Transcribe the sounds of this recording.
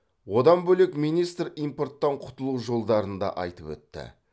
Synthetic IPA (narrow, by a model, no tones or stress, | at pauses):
wo̞d̪ɑnbɵlekmijnijst̪rijmpo̞rt̪ːɑɴqʰʊ̥t̪əlˠuʒo̞lˠd̪ɑɾənd̪ɑ̰ʔɑjt̪əpwɵ̰t̪ːɪ̰